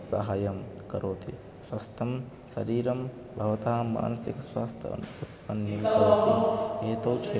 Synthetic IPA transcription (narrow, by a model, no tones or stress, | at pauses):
sɐ̰ɦaːjɐmkɐɾoːt̪ʰḭ | swɐst̪ʰɐm | sɐɾiːɾɐm | bʱɐʋɐt̪aːma̰ːnɐsḭkswaːst̪ʰjɐ̰ut̪pɐnːimt̪ɐɾoːt̪ieːt̪ɐwt͡ʃʰe